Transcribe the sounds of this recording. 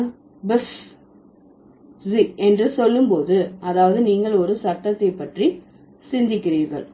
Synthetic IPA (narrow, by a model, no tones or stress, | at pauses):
bɛs | siɛndrɯsɔlːɯmpoːðɯɐðaːʋɐðɯniːŋɡɐɭɔɾɯsɐʈːɐt̪ːɐɪpːɐʈri | sɪnd̪ɪkːɪriːɾɣɐ̰ɭ